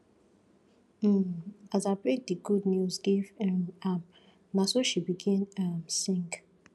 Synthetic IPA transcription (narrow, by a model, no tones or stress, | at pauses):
azaɪbɹek̚diɡudnjuzɡivɛmam | nasoʃibiɡĩnamsĩŋɡ